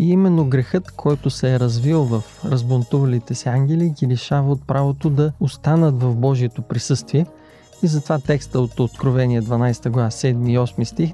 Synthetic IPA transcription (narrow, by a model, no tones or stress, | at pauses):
iimɛnːoɡɾɛxɤt̪kʰɔjt̪osɛːɾɐzvilˠvɐfɾɐzbont̪uvɐlit̪ɛsiaŋɡʲɛliɡʲilɛʃavɐot̪̚pɾʔavot̪od̪ɐost̪anət̪vɐvbɔʒiɛt̪opɾisɤst̪viɛ | izɐt̪ovat̪ɛkst̪əot̪ot̪kɾovɛniɛd̪vɐnajsɛ̥t̪əɡlvasɛd̪miːɔsmist̪ix